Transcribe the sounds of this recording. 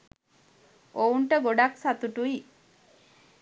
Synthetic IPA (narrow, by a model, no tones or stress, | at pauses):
ouɳʈəɡoɖaksat̪uʈui